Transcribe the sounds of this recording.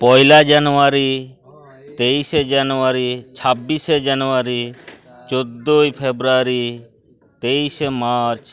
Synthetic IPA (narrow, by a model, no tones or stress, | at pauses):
pɔjlad͡ʒanuaɾi | t̪eised͡ʒanuaɾit͡ʃʰabːised͡ʒanuaɾi | t͡ʃod̪ːojpʰebɾaɾi | t̪eisemaɾt͡ʃ